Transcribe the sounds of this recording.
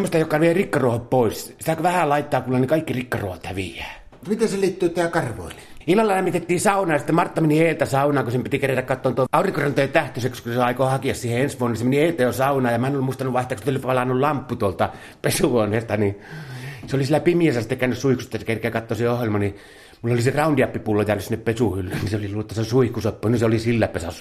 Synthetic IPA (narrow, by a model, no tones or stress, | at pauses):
mːost̪ɑjokːɑʋierikːɑruohoppoissi̥t̪ækʋæhælɑˑit̪ːɑːkulːɑnekɑikːirikːɑruohot̪hæʋḭjˑæː | mit̪eseliːt̪ːyːt̪æːkɑrʋo̰ili̥ilːɑlːɑlæmːit̪et̪ːiːsɑˑunɑːjɑsi̥t̪emɑrt̪ːɑmeniheːlt̪æsɑunɑːkusempit̪ikeræt̪ækkɑt̪ːoːnt̪uoɑˑuriŋkorɑnt̪ojet̪æht̪øsekskuseɑˑikohɑkiɑssiːheensʋuonːnisemeniheˑilt̪æjosɑunɑːjɑmæˑenolimuist̪ɑnuʋʋɑˑiht̪ekst̪ːolipɑlɑnːullɑmpːut̪uolt̪ɑ | pesuʋoneːst̪ɑni | seolisilːˑæpimiæsæsi̥t̪ːekæːnyssuihksust̪ːɑsekerkˑeːkɑt̪ːoːseohjelmɑni | mulːoliserɑˑundiɑpːipulːojæːnysinːeppesuhylːyːnniseoliluːt̪ːæsesuihkusopːuniseolisilːæpesɑ̰su